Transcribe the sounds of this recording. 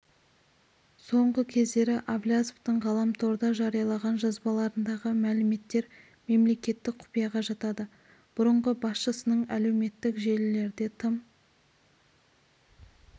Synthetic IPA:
so̞ɴʁəkʲʰe̞zd̪e̞ɾɪʔavlʲjazoft̪əɴʁɑlˠɑmt̪ʰo̞ɾd̪ɑʒɑɾijɑlˠɑʁɑnʒɑzbɑlˠɑɾənd̪ɑʁəmælɪme̞t̪ːe̞ɾ | me̞mle̞kʲe̞t̪ːɪk̚qʰʊ̥pijɑʁɑʒɑt̪ɑd̪ə | b̥ʊɾəɴʁəbɑsʃəsənəɴæle̞wme̞t̪ːɪkʒe̞lɪle̞ɾd̪e̞t̪ʰəm

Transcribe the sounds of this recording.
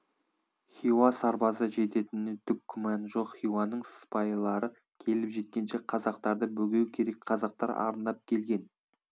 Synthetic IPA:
χiwɑsɑɾbɑsəʒe̞t̪e̞t̪ɪnet̪ʰʏp̚kʲʰːʏmɑnʒo̞qχiwɑnːəɴspɑjlˠɑɾə | kʲʰe̞lɪpʒe̞t̪̚kʲe̞nʃe̞qʰɑzɑq̚t̪ɑɾd̪əbɵɡʲe̞wkʲʰe̞ɾe̞kʲqʰɑzɑq̚t̪ɑɾɑ̰ɾənd̪ɑp̚kʲʰe̞lɡʲe̞n

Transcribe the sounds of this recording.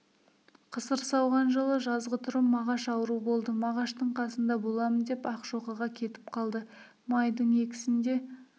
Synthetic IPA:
qʰəsəɾsɑwʁɑnʒəlˠəʒɑzʁət̪ʰʊɾəpmːɑʁɑʃɑwəɾubo̞lˠd̪əmɑʁɑʃt̪əɴqʰɑsənd̪ɑbo̞lˠɑmənd̪e̞pɑqʒ̥o̞ʁɑʁɑkʲʰe̞t̪ɪ̥p̚qʰɑlˠd̪ə | mɑjd̪əɴe̞kʲɪ̥sɪnd̪e̞

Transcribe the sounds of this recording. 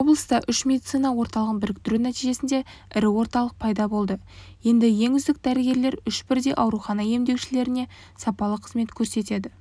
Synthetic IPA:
o̞blˠəst̪ɑʔʏʃmʲe̞d̪it̪sijnɑwo̞ɾt̪ɑlˠəʁənbɪɾɪk̚t̪ʏɾunæt̪iʒe̞sɪnd̪e̞ɪɾɪwo̞ɾt̪ɑlˠəq̚pʰɑjd̪ɑbo̞lˠd̪ə | je̞nd̪ɪje̞ŋʏzd̪ɪk̚d̪æɾɪɡʲe̞ɾle̞ɾʏʃbɪɾd̪e̞ʔɑwɾuχɑnɑje̞md̪e̞kʃɪle̞ɾɪne̞ | sɑpɑlˠəqʰə̥zme̞t̪kʲʰɵɾse̞t̪e̞d̪ɪ

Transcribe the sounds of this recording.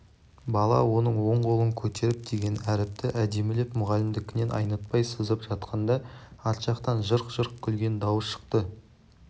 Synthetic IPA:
bɑlˠɑ̰wo̞nəɴwo̞ɴqʰo̞lˠəŋkʲʰɵt̪e̞ɾɪp̚d̪e̞ɡʲe̞næɾɪp̚t̪ɪʔæd̪e̞melepmʊʁɑlɪmd̪ɪkʲʰɪne̞nʔɑ̰jnɑt̪̚pɑjsəzəpʒɑt̪̚qʰɑnd̪ɑɑt̪ʃɑqt̪ɑnʒəɾqʒ̥əɾq̚kʲʰʏlɡʲe̞nd̪ɑwəsʃə̥qt̪ə

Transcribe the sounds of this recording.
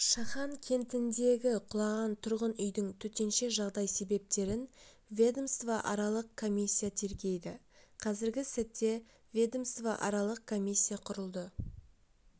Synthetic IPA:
ʃɑχɑŋkʲʰe̞nt̪ɪnd̪e̞ɡʲɪqʰʊlˠɑʁɑnt̪ʰʊɾʁənʏjd̪ɪŋt̪ʰɵt̪e̞nʃe̞ʒɑʁd̪ɑjse̞be̞p̚t̪e̞ɾɪn | vʲed̪omst̪vaʔɑɾɑlˠəq̚kʰːo̞mʲisʲːijat̪ʰe̞ɾɡʲe̞jd̪ɪqʰɑzɪɾɡʲɪsɪt̪ːe̞ | vʲed̪omst̪vaʔɑɾɑlˠəq̚kʰo̞mʲijsʲːijaqʰʊɾəlˠd̪ə

